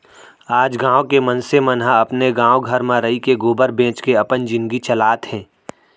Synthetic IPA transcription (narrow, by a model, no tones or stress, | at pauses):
aːd͡ʒɡãːõkemənsemənɦaɐpneɡãːoɡʱɐɾmãɾɐikeɡoːbəɾbẽːt͡ʃkeɐpənd͡ʒɪ̃nɡit͡ʃɐlaːt̪ɦɛ̃ː